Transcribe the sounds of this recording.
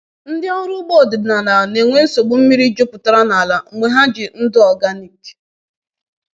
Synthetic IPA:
n̩˦dɪ˦ɔ˦ɾʊ˦ɡ͡bo˦˨dɪ˨na˨na˨ne˨ŋʷe˦n̩˦so˨ɡ͡bu˦m̩˦mi˦ɾi˦d͡ʒo˦pʊ˨ta˦ɾa˦na˨a˨la˨ŋe˨ɦa˦d͡ʒɪ˨n̩˦dʊ˦ɔ˨ɡa˦ni˨k

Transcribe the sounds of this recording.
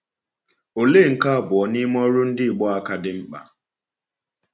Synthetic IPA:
o˨le˦˨ŋ̩˨ka˦˨bʊ˨ɔ˨ni˦m˦ɔ˦ɾʊ˦n̩˦dɪ˦˨ɡ͡bɔ˦a˦ka˦dɪ˦ŋ͡m̩˦k͡pa̰˨

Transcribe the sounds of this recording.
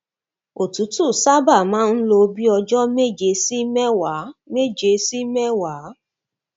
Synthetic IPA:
o˨tu˨˦tu˦˨sa˦ba˦˨mãː˦n̩˦lo˧˦bi˦ɔ˧d͡ʒɔ˦me˦d͡ʒe˨˦si˦mɛ˦wa˨˦me˦d͡ʒe˨˦si˦mɛ˦wa˨˦

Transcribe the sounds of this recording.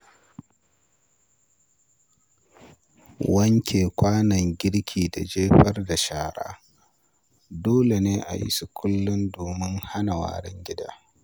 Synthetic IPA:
wɐ˦ŋkʲeː˨kʷʰaː˦nɐ˨ŋɡʲɪ˦ɽkʲʰiː˨da̰˨d͡ʒeː˦ɸɐ˦rda˨ʃaː˨ɽa̰ː˦ | doː˦le˨neː˦ʔa̰˨jɪ̰˦su˨kʷʊ˦lːʊ˦ndoː˨mɪ˦ŋha˦na˨wa̰ː˨ɽɪ˦ŋɡʲɪ˦daː˦

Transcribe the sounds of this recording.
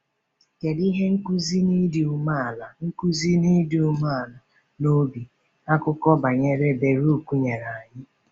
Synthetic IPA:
ke˨di˦ɦe˦ŋ̩˦ku˦zi˦ni˦dɪ˨u˨ma˦a˨la˨ŋ̩˦ku˦zi˦ni˦di˨u˨ma˦a˨la˨ | no˦bi˨ | a˦kʊ˦kɔ˦ba˨ɲe˦ɾe˦be˨ɾu˦˨kʷu˦ɲe˨ɾa˨a˨ɲɪ˦

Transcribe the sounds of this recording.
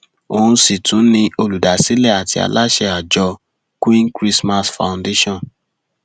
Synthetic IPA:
o˨ũ˧˦si˦˨tũ˨˦nĩ˧o˧lu˨da˨si˨˦lɛ˦˨a˨ti˧a̰˧la˦ʃɛ˧a˨d͡ʒɔ˧ | kĩ˦nkɾi˦sma˦sfã̰˨nde˦ʃɔ̃˦˨n

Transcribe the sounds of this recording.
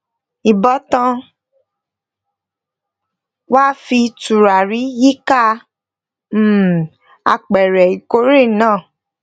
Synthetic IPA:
i˨bɔ˨˦tã˧ | waː˦fi˧tu˨ɾa˨ɾi˨˦ji˦ka˦ | m̩˦˨ | a̰˧k͡pɛ˨ɾɛ˨i˨ko˨˦ɾe˦˨nãː˦˨

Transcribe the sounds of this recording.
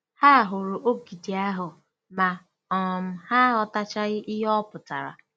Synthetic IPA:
ha˦˨ɦʊ˨ɾʊ˨ʔo˦ɡi˨di˨a˦ɦʊ˨ | ma˨ | ɔ˨m̩˦ha˦ɦɔ˦ta˦t͡ʃa˦ɣɪ˦ʔɪ˦ɦɔ˦pʊ˨ta̰˨ɾa̰˨

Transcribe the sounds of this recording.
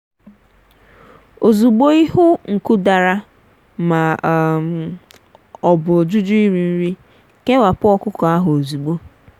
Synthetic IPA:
o˨zu˨ɡ͡bo˦i˦ɦʊ˦ŋ̩˨ku˦da˨ɾa˦ | ma˨ | ɔ˨bʊ˨o˨d͡ʒu˦d͡ʒʊ˦i˦ɾi˨n̩˦ɾi˦ | ke˦wa˨pʊ˦ɔ˦kʊ˦kɔ˨a˦ɦʊ˨o˨zu˨ɡ͡bo˦

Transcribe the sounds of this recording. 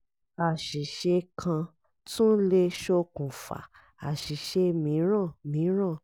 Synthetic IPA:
a˨ʃi˨ʃe˧kʰã˧ | tũ˦le˦ʃo˦kũ˨fa̰˨ | a˨ʃi˨ʃe˧mĩ˨˦ɾ̃ã˦˨mĩ˨˦ɾ̃ã˦˨

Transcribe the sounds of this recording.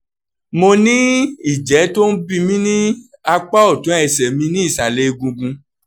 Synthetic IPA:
mo˧nĩ˦i˦˨d͡ʒɛ˨˦to˦n̩˦bĩ˧mĩ˦nĩ˦ | a˧k͡pa˦ɔ˦˨tũ˨˦ɛ˧˨sɛ˨mĩ˧nĩ˦i˦˨sa˨le˨˦˧ɡũ˧ɡũ˧

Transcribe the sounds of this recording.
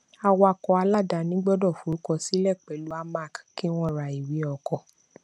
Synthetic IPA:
a˧wa˧kɔ˧a˧la˦˨da˧˨nĩ˦ɡ͡bɔ˦dɔ˦˨fu˨ɾu˨˦kɔ˧si˨˦lɛ˦˨k͡pɛ˨lu˨˦a˧ma˦˨kki˦w̃ɔ̃˦˨ɾa˧˨i˨wi˨˦ɔ˨kɔ˨˧

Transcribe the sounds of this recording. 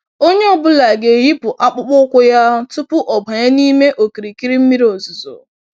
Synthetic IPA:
o˦ɲe˦ɔ˨bʊ˦la˨ɡe˨ji˦pʊ˨ʔa˦k͡pʊ˦k͡pʊ˦kʷʊ˦ja˦tʊ˦pʊ˦ʔɔ˨ba˨ɲa˦ni˦me˦ʔo˨ki˨ɾi˨ki˦ɾi˦m̩˦mi˦ɾi˦o˨zʊ˨zo̰˨

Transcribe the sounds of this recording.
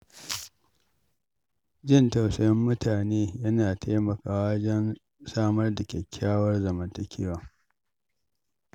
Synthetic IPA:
d͡ʒɪ˦˨nta˨wsɐ˦jɪ˦mːʊ˦tʰaː˨neː˦jɐ˦naː˨tʰa˦mɐ˨kaː˨waː˦d͡ʒɐ˦n | saː˦mɐ˦rda˨kʲɛ˨kʲʰːaː˦wɐ˦rzɐ˨mɐ˦ntɐ˨kʲʰɪ˦waː˨

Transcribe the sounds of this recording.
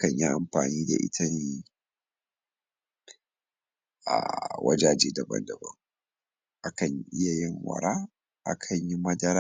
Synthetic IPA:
ʔa˦kɐ˨ɲji˦ʔa˨mɸaː˨niː˦da̰˨ʔɪ̰˦tʰɐ˦ɲ˦ | ʔa̰˨wʔɐ̰˦d͡ʒa˦d͡ʒeː˦dɐ˨bɐ̰˦ndɐ˨bɐ̰˦ŋ | ʔa˦kɐ˨ɲʔɪ˦ja˨jɪ˦ŋwɐ̰˨ɾaː˦ | ʔa˦kʰɐ˨ɲji˦mɐ˦dɐ˦ɾa˦

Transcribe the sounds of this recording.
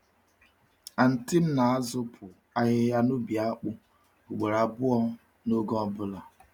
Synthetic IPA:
a˨n̩˨ti˦m̩˦na˨a˦zʊ˦pʰʊ˨ | a˦ɦɪ˦ja˦no˦bi˨a˦k͡pʊ˦ | o˨ɡ͡be˨ɾa˨bʊ˦ɔ˦ | no˦ɡɔ˦bʊ˦la˨

